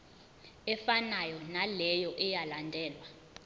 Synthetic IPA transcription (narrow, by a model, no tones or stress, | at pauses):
ɛfanajɔnalɛjɔʔɛjalandʱɛːlwa